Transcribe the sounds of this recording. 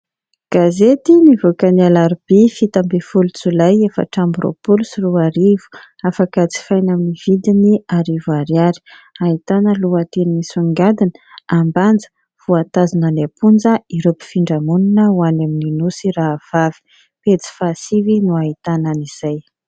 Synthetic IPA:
ɡ̥azet̪inivokənialaɾib̥ifit̪ambefulut͡sulajefə̰ʈ͡ʂambuɾo̰pulusiruaɾivu̥ | afakət͡si̥fajnaminiv̥id̪iniaɾivaɾiaɾi̥ | ait̪anəluat̪enimisuŋɡad̪inəamband͡zə̥ | v̥uat̪azinanapund͡zəiɾopi̥fiɳɖ͡ʐamuninəwanamininusiraːv̥avi̥ | pet͡si̥fasivinuait̪anəniz̥aj

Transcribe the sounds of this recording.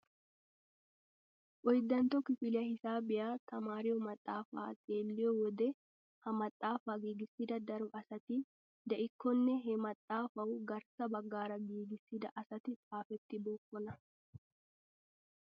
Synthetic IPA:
ʔɔjd̪ɐnt̪ɔkɪfɪlɪɐhɪsaːbɪʔaːt̪ɐmaːɾɪjɔmɐt̪ʼːaːfa̰ːt̪ʼeːlːɪjɔwɔd̪ɛ | hɐmɐt̪ʼːaːfaːɡiːɡɪsɪd̪ɐd̪ɐɾʊʔɐsɐt̪ɪ | d̪ɐʔɪkːɔnːɛɦɛmɐt̪ʼːaːfɐʊɡɐɾsɐbɐɡːaːɾɐɡiːɡɪsɪd̪ɐʔɐsɐt̪ɪtʼaːfɛt̪ːɪboːkːɔnɐ

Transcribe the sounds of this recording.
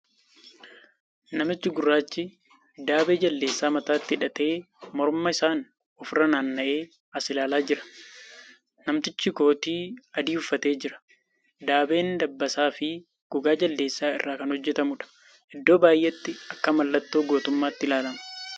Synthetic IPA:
nɐmɪt͡ʃːɪɡʊrːaːt͡ʃːɪ | d̪aːbeːd͡ʒɐlːe̞ːsːaːmɐt̪aːt̪ːɪᶑɐt̪e̞ː | mɔɾmɐɪsaːn | ʊfrɐnaːnːɐʔe̞ː | ɐsɪlaːlaːd͡ʒɪɾɐ̥ | nɐmt̪ɪt͡ʃːɪko̞ːt̪iːɐd̪iːʊfːɐt̪e̞ːd͡ʒɪɾɐ̥ | d̪aːbe̞ːnd̪ɐbːɐsaːfɪ | ɡ̥ʊɡaːd͡ʒɐlːe̞ːsːaːɪ̰rːaːkɐnhɔd͡ʒːɛt̪ɐmʊᶑɐ̥ | ʔɪd̪ːo̞ːbaːjʔɛt̪ːɪɐkːɐmɐlːɐt̪ːoːɡo̞ːt̪ʊmːaːt̪ːɪlaːlɐmɐ̥

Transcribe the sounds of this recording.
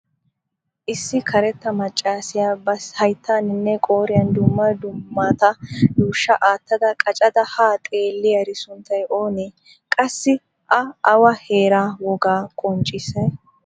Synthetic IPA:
ʔɪsːɪkʰɐɾɛt̪ːɐmɐt͡ʃʼːaːsɪjaːbɐshɐjt̪ʰːaːnɪnːɛkʼo̞ːɾɪjɐnd̪ʊmːɐd̪ʊmːat̪ɐjuːʃːɐʔaːt̪ːɐd̪ɐkʼɐt͡ʃʼɐd̪ɐhaːt̪ʼe̞ːlːɪjɐɾɪsʊnt̪ːɐjʔo̞ːneː | kʼɐsːɪ | ʔɐʔɐwɐhe̞ːɾaːwɔɡaːkʼɔnt͡ʃʼːɪsɐj

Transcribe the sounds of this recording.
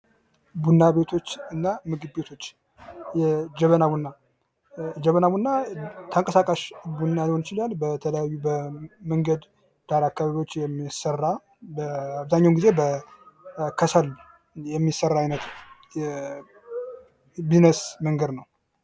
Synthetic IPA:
bunːabe̞t̪ʰo̞t͡ʃːɨnːamɨɡɨbbe̞t̪ʰo̞t͡ʃː | jɛd͡ʒəβənabunːa | d͡ʒəβənaβunːat̪ʰəŋkʼəsakʼaʃbunːalihonjɪt͡ʃɪlalbət̪ʰələjajːubəməŋɡəd̪ | d̪̥aɾakːaβaβiwo̞t͡ʃːjɛmːisərːa | bəaβzaɲːawmɡizebə | kʰəsəl | jɛmːisːərːaajnət̪jɛ | binəsməŋɡəd̪nəw

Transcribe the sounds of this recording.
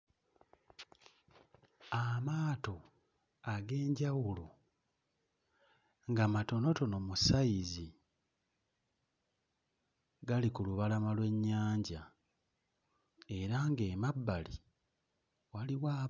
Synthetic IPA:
amaːto̞ | aɡe̞ːɲɟawulo | ŋɡamato̞no̞to̞no̞musaizi | ɡalikuluβalamalwe̞ɲːaːɲɟa | e̞ɾaŋɡe̞ːmabːali | waliwaː

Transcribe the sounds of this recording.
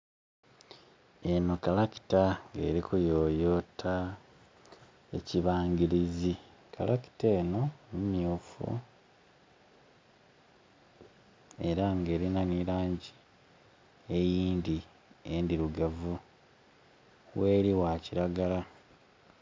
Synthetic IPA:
e̞no̞kalaki̥taŋɡe̞̰ːɾikujoːjo̞ːtʰa | e̞̰ciβaːŋɟiɾizi | ka̰laki̥teːno̞nimjuːfṵ | e̞ɾaŋɡe̞ːɾinaniɾaːɲɟi | ejiːndi | endiɾuɡavu | we̞ːɾiwaciɾaɡala

